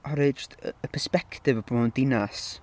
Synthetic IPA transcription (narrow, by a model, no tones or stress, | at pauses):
ɔɾɨd͡ʒtə̰əpʰɛspɛktɪvəb̥roːndɪnas